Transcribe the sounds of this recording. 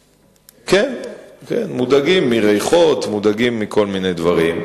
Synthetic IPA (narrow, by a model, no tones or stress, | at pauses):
kenkḛnmudaɡimːiʁejχo̞t̪mudaɡimːikʰo̞lminejd̪vaʁim